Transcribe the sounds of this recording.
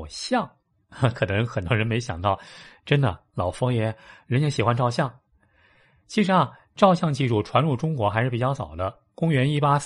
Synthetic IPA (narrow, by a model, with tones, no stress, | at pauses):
ɕjɑ˥˩ŋ˧ | kʰɤ˨˩nɤ˧˥ŋxə˨˩nt̪wɔ˥ɻə˧˥nme˧˥ɪɕjɑ˨˩ŋt̪ɑ˥˩ʊʈ͡ʂə˥nd̪ə̰˨lɑ˨˩ʊfɔ˥jɛ˧˥ɻə˧˥njɛ˥ɕi˨˩xwa˥nʈ͡ʂɑ˥˧ʊɕ̬jɑ˥˩ŋ | t͡ɕʰi˧˥ʂɻ̩˧˥ɐ˧ | ʈ͡ʂɑ˥˧ʊɕjɑ˥˧ŋt͡ɕi˥˧ʂu˥˩ʈ͡ʂʰwa˧˥nɻu˥˩ʈ͡ʂʊ˥ŋkwɔ˧˥xa˧˥ɪʂɻ̩˥˩pi˨˩t͡ɕjɑ˥˩ʊsɑ˨˩ʊd̪ə˦ | kʊ˥ŋɥɛ˧˥ni˥˩pa˥